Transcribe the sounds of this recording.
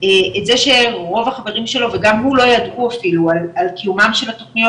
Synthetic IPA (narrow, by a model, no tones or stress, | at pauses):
eetzeʃe̞ʁo̞vaχave̞ʁimʃe̞lo̞ve̞ɡamɦulo̞jadʔuafilualalkijumamʃe̞latoχnijo